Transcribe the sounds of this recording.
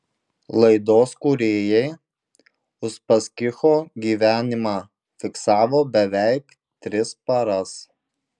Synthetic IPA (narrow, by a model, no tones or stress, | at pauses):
lˠɐɪd̪oːskuɾʲeːjɛɪ | ʊʃpɐsʲkʲɪxoːɡʲiːʋʲæːnʲɪmɑː | fʲɪksɑːʋoːbʲɛʋʲæɪk | t̪ʲɾʲɪspɐɾɐs